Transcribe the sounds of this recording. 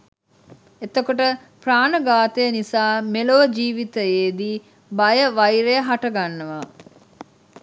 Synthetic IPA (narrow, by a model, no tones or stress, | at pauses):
et̪əkoʈə | praːnəɡaːt̪əjənisaːmeloʋəd͡ʒiːʋit̪əjeːd̪i | bajəʋajɾejəɦaʈɐɡanːəʋa